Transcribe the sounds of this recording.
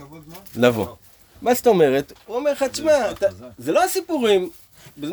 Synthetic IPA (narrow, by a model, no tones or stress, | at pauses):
lavo̰ | maʃtaome̞ʁet̪uomeʁxat͡smat̪azelo̞asipuʁim | bez